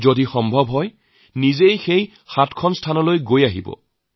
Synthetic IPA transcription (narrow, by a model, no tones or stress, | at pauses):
zodixɔmbʱɔbɦɔj | nizejxej | xatkʰɔnstʰanɔlojɡojaɦibɔ̰